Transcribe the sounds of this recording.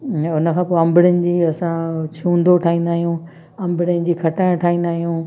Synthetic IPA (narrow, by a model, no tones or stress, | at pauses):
ʊnə̆kʰãːpoːɐ̃mbɪɽənɪ̆d͡ʑiːɐsãt͡ɕʰũːnd̪oʈʰaːĩːnd̪aːɦijũ | ɐ̃mbɪɽɪnɪ̆d͡ʑiːkʰɐʈãʈʰaːɦĩːn̆d̪aːɦijũː